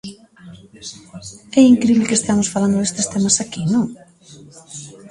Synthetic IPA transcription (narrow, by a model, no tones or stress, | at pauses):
ɛiŋkɾiβlɪkest̪amosfaland̪ʊðest̪est̪ɛmɐsakinõŋ